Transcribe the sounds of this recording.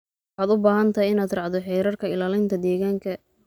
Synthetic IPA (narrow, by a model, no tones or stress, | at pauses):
wħɑːd̪ʊbaːɦɐnt̪ʰɐɦjɪnaːd̪rɑʕd̪ɔħɛjɾɐrkʰɐɪlaːlɪnt̪ʰɐd̪ɛːɣaːŋkʰɐ